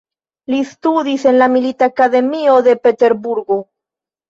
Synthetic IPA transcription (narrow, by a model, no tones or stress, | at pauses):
list̪uðisenlamilit̪akaðemioðepet̪eɾbuɾɣo